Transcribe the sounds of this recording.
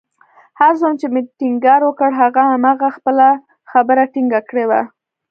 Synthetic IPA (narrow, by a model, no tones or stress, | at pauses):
haɾzomt͡ʃemeʈiŋɡɑɾwəkəɽɦaɣaamɑɣaxpəla | xabəɾaʈiŋɡakɽewa̰